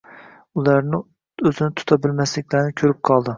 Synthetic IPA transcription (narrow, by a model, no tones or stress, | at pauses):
ulˠæɾnɪ | øzɪnɪt̪ʰʊ̥t̪ʰɑbɪlmæslɪkʲlæɾnɪkʲʰøɾɪp̚qʰɑlˠd̪ɨ